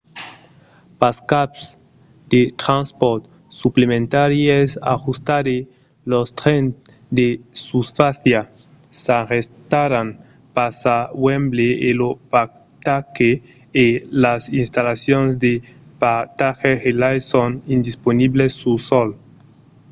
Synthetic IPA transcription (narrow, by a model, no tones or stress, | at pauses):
paskaps | d̪et̪ɾãnspoɾt̪ | suplemẽnt̪aɾjesa̰xust̪aɾe | lost̪ɾen | d̪esusfaθja | sarest̪aɾan | pasawembleelopak | t̪akeː | lasinst̪alasjonzd̪e | pat̪axehelajsonind̪isponiβlesːusol